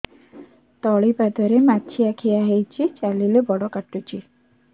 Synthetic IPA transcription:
t̪ɔɭipad̪ɔɾemat͡ʃʰiakʰijaɦejt͡ʃʰit͡ʃalilebɔɽɔkaʈːut͡ʃi

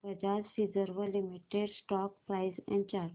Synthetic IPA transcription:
pɾəd͡ʒasɾizəɾʋəlimiʈeɖsʈɔk̚pɾaɪsɛ̃ɳɖt͡ʃaɾ

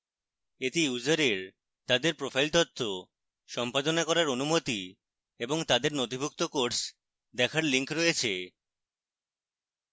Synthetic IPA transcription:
et̪ijud͡ʑaɾeɾ | t̪ad̪eɾpɾofʰajlt̪ɔt̪ʰːo | ʃɔmpad̪onakɔɾaɾonumot̪i | eboŋt̪ad̪eɾnot̪ibʱuk̚t̪okoɾs | d̪ɛkʰaɾliŋkɾoet͡ɕʰe

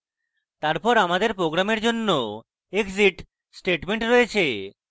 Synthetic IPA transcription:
t̪aɾpɔɾamad̪eɾpɾoɡɾameɾd͡ʑonːo | eɡziʈ | sʈeʈmeɳʈɾɔjet͡ɕʰe

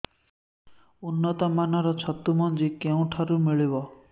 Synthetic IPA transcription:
unːɔt̪ɔmanɔɾɔt͡ʃʰɔt̪ːumɔnd͡ʒikeũʈʰaɾumiɭibɔ

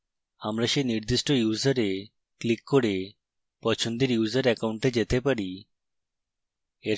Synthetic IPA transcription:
amɾaʃeniɾd̪iʃʈojuzaɾe | klikːoɾe | pɔt͡ɕʰond̪eɾjuzaɾɛkawɳʈed͡ʑet̪epaɾi | e

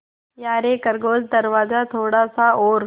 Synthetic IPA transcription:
jaːɾekəɾɡoːd͡zd̪əɾʋaːd͡zat̪ʰoːɽaːsaoːɾ

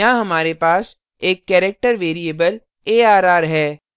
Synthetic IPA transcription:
ãɦɐmaːɾepaːs | eːkːɛːɾek̚ʈəɾʋeːɾieːbəl | eːaːɾaːɾɦɛː

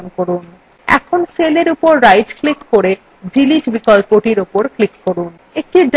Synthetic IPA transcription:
nkoɾun | ɛ̰kʰonseleɾupoɾːajʈklikːoɾe | d͡ʑiliʈbikɔlpoʈiɾupoɾklikːoɾun | ek̚ʈiɖ

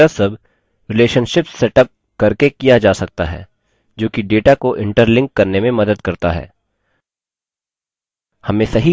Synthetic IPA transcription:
asɐb | ɾɪleːʃənʃɪpssɛʈəp̚ | kɐɾkekijad͡ʒaːsɐk̚t̪a̰ɦɛ̰ː | d͡ʒoːkiɖeːʈakoʔɪ̃ɳʈəɾlɪ̃ŋkːɐɾnemẽmɐd̪əd̪kɐɾt̪a̰ɦɛ̰ː | hɐmẽsɐɦi

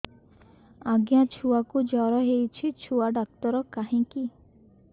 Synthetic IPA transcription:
aɡjãt͡ʃʰuwakud͡ʒɔɾɔɦejt͡ʃʰit͡ʃʰuaɖak̚t̪ɔɾɔkaɦĩki

